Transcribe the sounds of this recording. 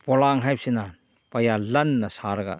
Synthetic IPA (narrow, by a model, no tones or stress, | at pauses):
bolaŋɦajp̚sina | pajalɐnːɐsaɾɡa̰